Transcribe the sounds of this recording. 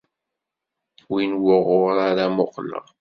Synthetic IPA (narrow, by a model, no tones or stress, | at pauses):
winwʊʁʊɾaɾamoqlə̰ʁ